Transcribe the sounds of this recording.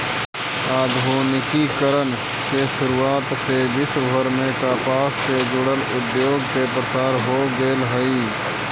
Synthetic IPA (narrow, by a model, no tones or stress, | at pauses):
aːd̪ʱoːnɪkikəɾən | keʃʊɾuːaːt̪sebɪsəɾmẽkaːpaːsːed͡ʒʊɽəlʊd̪joːɡkepɾəsaːɾɦoːɡeːlɦəiː